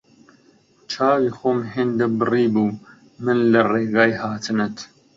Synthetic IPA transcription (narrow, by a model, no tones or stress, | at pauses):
t͡ʃʰaːwiːxoːmɦeːnd̪ɨbɨriːbuː | mɨnlɨreːɡɑːjhaːt̪ʰɨnɨt̪